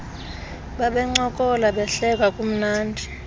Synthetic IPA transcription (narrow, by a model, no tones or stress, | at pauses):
ɓaɓɛŋ͡ǀɔkʼɔlaɓɛɬɛk̬ʼakʼum̩naːndʱi